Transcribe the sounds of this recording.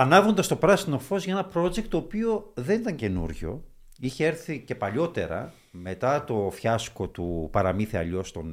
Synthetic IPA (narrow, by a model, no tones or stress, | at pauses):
ɐnɐvond̪ɐst̪o̞pɾɐsino̞fo̞zʝɐe̞nɐpɾo̞d͡ʒek̚t̪ːo̞ːpioðe̞nit̪ɐɲce̞nṵɾʝo̞̰ | içeeɾθice̞pɐʎo̞t̪e̞ɾɐ̰ | me̞t̪ɐt̪o̞fçɐsko̞t̪upɐɾɐmiθeɐ̰ʎo̞st̪o̞n